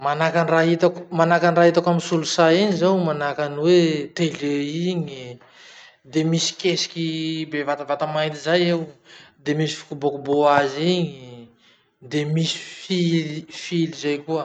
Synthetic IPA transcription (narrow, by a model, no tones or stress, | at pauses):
manakanraɦit̪akmanakanraɦit̪akamisulusaiɲizawmanakanwet̪eleiɲi | d̪emisi̥kʲesi̥kʲibevat̪avat̪amajnt̪izajewd̪emisi̥fi̥kubokuboaziɲi | d̪emisi̥filifilizajkuə